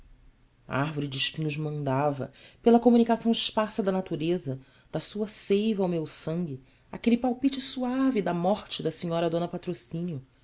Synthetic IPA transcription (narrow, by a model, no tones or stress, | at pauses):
ɐ̰ahvoɾid͡ʒɪiʃpĩɲʊʒmɐ̃nd̪avɐ̰pelɐkomunikasɐ̃w̃ɪʃpasɐd̪ɐnat̪uɾezɐ | d̪̥ɐsuɐsejvɐawmewsɐ̃ŋɡʲi | akelipawpit͡ʃɪsuavid̪ɐmɔχt͡ʃɪd̪ɐsiɲɔɾɐd̪õnɐpat̪ɾosĩnjʊ